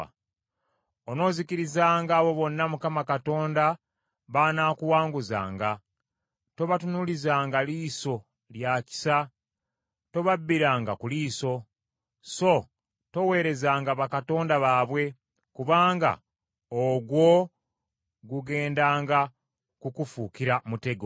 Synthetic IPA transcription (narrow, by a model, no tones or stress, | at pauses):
ono̞ːziciɾizaːŋɡaːβo̞βo̞nːamukamakato̞ːnda | βanaːkuwaːŋɡuza̰ːŋɡa | to̞βatunulizaːŋɡaliːso̞ | ljaci̥sa | to̞βabːiɾaːŋɡakuliːso̞ | so̞ | to̞we̞ːɾe̞zaːŋɡaβakato̞ːndaβaːβwe̞ | kuβaːŋɡa̰ | oɡwo̞ | ɡuɡe̞ːndaːŋɡa | kukufukiɾamute̞ɡo